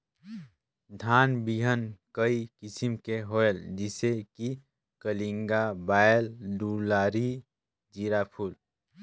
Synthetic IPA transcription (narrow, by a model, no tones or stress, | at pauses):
d̪ʱaːnbiɦənkəikɪsimkeɦoːeld͡ʒɪseki | kəlĩŋɡabaːeldulaːɾi | d͡ʒiɾapʰuːl